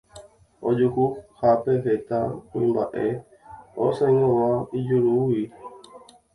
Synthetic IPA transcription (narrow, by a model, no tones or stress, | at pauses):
od͡ʒuhuhapeɦet̪aõĩmbaʔe | o̰sẽŋõwãid͡ʒuɾuwi